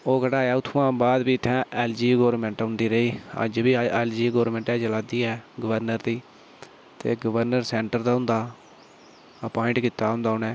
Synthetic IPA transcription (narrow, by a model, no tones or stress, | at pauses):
oːkəɽaːjaːʊt̪ʰːãːbaːd̪biːt̪ʰːɛ̃ːɛːld͡ʒiːɡoːɾmɛ̃ːɳʈɦʊ̃nd̪iːɾəiːə̰d͡ʒbiːɛːld͡ʒiːɡoːɾmɛ̃ːɳʈɛːt͡ʃəlaːd̪iːɛːɡəʋəɾnəɾd̪iː | t̪ḛːɡəʋəɾnəɾsɛːɳʈəɾd̪aːɦʊ̃nd̪aː | əpɔːɪ̃ɳʈkiːt̪aːɦʊ̃nd̪aːʊnɛ̃ː